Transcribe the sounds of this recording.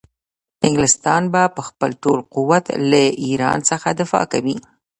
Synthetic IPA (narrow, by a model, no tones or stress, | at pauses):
ɪŋɡlɪst̪ɑnbapəxpəlʈolquwat̪laʔiɾɑ̰nsəxad̪ɪfɑ̰kawi